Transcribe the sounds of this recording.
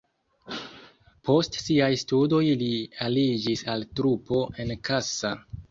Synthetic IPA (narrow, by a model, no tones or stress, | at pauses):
po̞stsiajstudo̞jlialid͡ʒisaltɾupo̞ʔe̞nkʰasa